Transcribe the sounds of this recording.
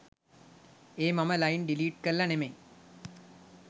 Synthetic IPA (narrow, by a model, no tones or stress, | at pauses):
eːmɐməlɐjnɖiliːʈ̚kəlːɐnemeŋ